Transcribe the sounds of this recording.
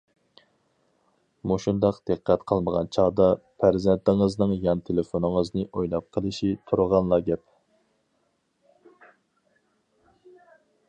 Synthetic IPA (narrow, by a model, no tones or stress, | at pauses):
muʃund̪ɑqd̪̥ɨqʰːɛt̪qʰəlˠməʁɑnt͡ʃʰɑd̪ɑpʰæɾzɛnt̪ʰɪŋəznɨŋjɑnt̪ʰelefonɨŋəznɨʔojlˠɑp̚qʰəlˠɨʃit̪ʰuɾʁɑnlˠɑɡʲɛp̚